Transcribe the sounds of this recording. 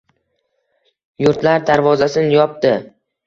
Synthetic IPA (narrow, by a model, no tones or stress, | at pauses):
jʊɾt̪laɾd̪aɾvɒzasɪnjɒp̚d̪ɪ